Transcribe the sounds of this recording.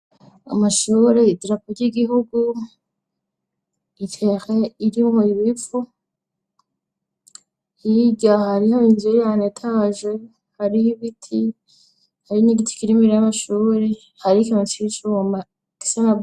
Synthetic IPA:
a̰maʃuːɾeidɾapoɾɟiɡiɦuɡu | itʰexeiɾimhoiβifu | hiɟahaɾihaβinzuejanetʰaːʒe | haɾihiβitʰi | haɾiɲiɡiti̥kiɾimiɾejamaʃuːɾe̞ | haɾikamat͡ʃit͡ʃuma | ki̥sana

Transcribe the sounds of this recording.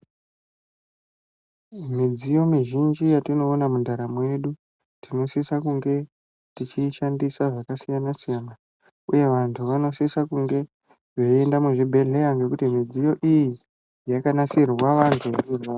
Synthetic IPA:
mid͡zijo̞miʒind͡ʒijatino̞ːnamundaɾamwe̞ɗu | tino̞sisakuŋɡe̞ | tit͡ʃiʃandisaʐakasijanasijana | uje̞ʋantʰuʋano̞sisakuŋɡe̞ | ʐeendamuʐibʱe̞ɮejaŋɡe̞kutimid͡zijo̞ʔiji | jakanasirwaʋantʰuʋairwa

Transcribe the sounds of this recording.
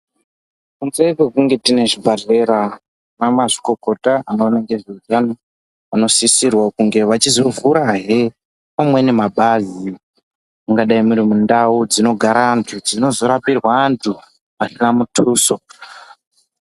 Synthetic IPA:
kunzeikwekuŋɡe̞tine̞ʐibʱaɮeɾa | namaʐi̥ko̞ko̞taanoːnaŋɡeʐiutano | ano̞sisirwakuŋɡe̞ʋat͡ʃizovuɾaɦe | pamwe̞ne̞maɓazi | muŋɡaɗaimuɾimundaud͡zino̞ɡʱaɾantʰud͡zino̞zo̞ɾapirwaːntʰu | pasinamutʰuːso̞

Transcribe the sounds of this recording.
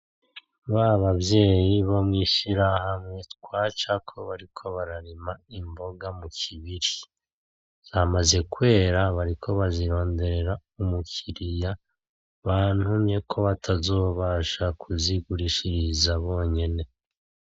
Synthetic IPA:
βaβabje̞ːjiβomŋiːʃiɾahamŋe̞tkwaːt͡ʃakʰo̞βaɾikʰo̞βaɾaɾimaimbo̞ɡamucʰiβiɾi | z̥amaze̞kwe̞ːɾaβaɾikʰo̞βaziɾo̞ːnde̞ɾe̞ɾaumukʰiɾija | βan̥humje̞kʰo̞βatʰazo̞ːβaʃakʰuziɡuɾiʃiɾizaβo̞ːɲe̞ne̞

